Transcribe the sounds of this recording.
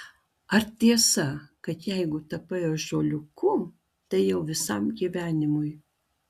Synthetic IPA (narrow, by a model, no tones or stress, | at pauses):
ɐɾt̪ʲiɛsɐkɐt̪jɛɪɡʊt̪ɐpɐjoːʒoːlʲʊkʰʊ | t̪ɐɪjɛʊʋʲɪsɐmɡʲiʋʲæːnʲɪmʊj